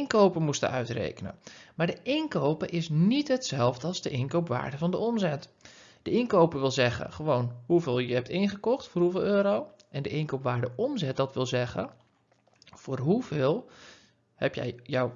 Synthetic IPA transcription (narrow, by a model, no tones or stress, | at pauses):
nkowpəmustə̰ʔœ̰ɥtrḛjkənə̰maːɹdəʔɪnkowpəʔɪsnitɦətsɛlˠvdəɑlˠzdəʔɪnkowpʋa̰ːɹdəvɑndəɔmzɛt | d̥əɪnkowpəʋɪlˠzɛχə̰χəʋownhuvɪːlˠjəɦɛp̚tɪnχəkɔχtfʊːrɦuvɪːlˠøːɾow | ʔɛndəʔɪnkowpʋaːɹdəʔɔmzɛt̚dɑtʋɪlˠzɛɣə̰ | vʊːrɦuvɪːlˠ | hɛpjɛ̰jjɔw